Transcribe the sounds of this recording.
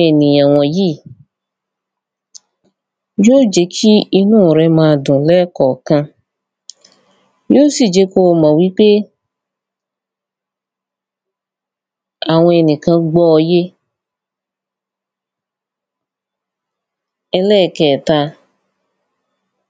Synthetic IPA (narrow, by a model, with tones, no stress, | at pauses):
ɛ˨nĩ˨ã˨w̃ɔ̃˨ji˦˨ | jo˦d͡ʒe˧kʰi˦i˧nũ˦˨ɾɛ˧mãː˧˦˧dũ˨lɛ˦kɔ˨kã˧ | jo˦si˦˨d͡ʒe˨˦ko˦˨mã˨wi˨˦k͡pe˦ | a˨w̃ɔ̃˧ɛ˨nĩ˨kã˧ɡ͡bɔ˧je˦ | ɛ˧lɛ˦˨kɛ˨ta˧